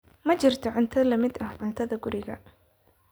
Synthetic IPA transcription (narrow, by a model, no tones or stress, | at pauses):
mɐt͡ʃɪrt̪ʰɔʕʊnt̪ʰɐlɐmɪd̪ɐhʕʊnt̪ʰɐðɐɡʊɾɪɣɐ̰